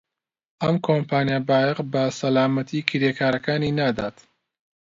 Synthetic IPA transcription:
ɐmkʰompʰaːnijabaːjɐqbɐsɐlaːmɐt̪ʰikʰiɾeːkʰaːɾɐkaːninaːd̪a̰ːt̪

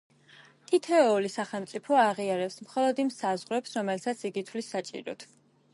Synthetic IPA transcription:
t̪ʰit̪ʰɛɔlisaχɛlˠmt̪sʼipʰɔaʁiaɾɛpsmχɔlˠɔd̪imsazʁɾɛpsɾɔmɛlsʰat̪sʰiɡit̪ʰwlisat͡ʃʼḭɾɔ̰t̪ʰ

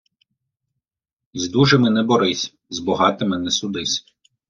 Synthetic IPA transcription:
zʲd̪uʒemɪnɛbɔɾɪsʲ | zbɔɦɑt̪ɪmɪnɛsʊd̪ɪsʲ

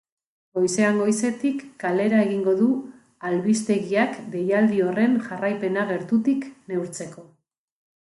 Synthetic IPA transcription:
ɡo̞jse̞aŋɡo̞jse̞t̪ikːale̞ɾaeɣiŋɡo̞ðu | alβist̪e̞ɣiakbe̞jald̪io̞re̞nʝarajpe̞naɣe̞ɾt̪ut̪ikne̞wɾt͡se̞ko̞

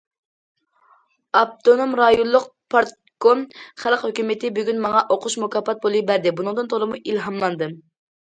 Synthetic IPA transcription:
ɑp̚t̪ʰonomɾɑjollˠːʊq̚pʰɑɾt̪̚ | komχælˠqhøkʲymɪt̪ʰɪbyɡʲynmɑŋɑʔoqʰʊʃmukɑpːɑt̪̚bolˠɨbæɾd̪ɪbunɨŋd̪ɨnt̪ʰolˠɨmuʔilɦɑmlˠɑnd̪ɨ

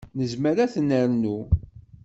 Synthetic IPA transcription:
nəzməɾæθənːəɾnu

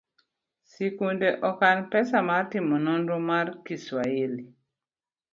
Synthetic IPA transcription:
sikundeʔɔkanpɛsamartɪmɔnɔndɾɔmarkiswaeli

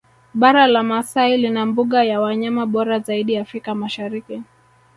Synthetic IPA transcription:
ɓaɾalamasailinambuɠajawaɲamaɓɔɾazaiɗiafɾikamaʃaɾiki

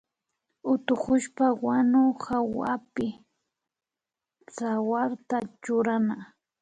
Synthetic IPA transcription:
ʊt̪ʊkʊʃpawanʊxawapɪ | t͡sawaɾt̪at͡ʃʊɾana

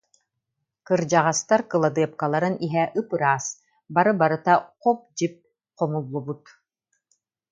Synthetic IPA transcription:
kɯɾd͡ʒaʁast̪aɾkɯlˠad̪ɯɐp̚kalˠaɾɯniɦɛʔɯpɯɾaːs | baɾɯbaɾɯt̪aqɔp̚d͡ʑip̚ | qɔmulˠːubut̪

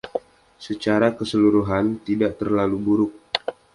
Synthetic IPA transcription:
sət͡ʃaɾakəsəluɾuɦant̪idaʔt̪ərlalubuɾʊk̚

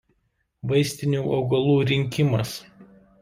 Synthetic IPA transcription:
ʋɐɪsʲt̪ʲɪnʲuːʔɒʊɡɐlˠuːɾʲɪŋʲkʲɪmɐs

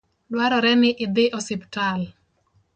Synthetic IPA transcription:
dwaɾɔɾɛnɪʔɪd̪ɪʔɔsɪptal

